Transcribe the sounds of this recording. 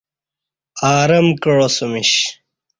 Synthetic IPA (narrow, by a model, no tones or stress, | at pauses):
aːɾɐmkɐɻosumiɕ